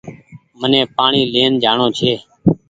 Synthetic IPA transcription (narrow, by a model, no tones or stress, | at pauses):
mənẽːpaːɳiːleːnd͡ʒʱaːɳõːt͡ʃʰeː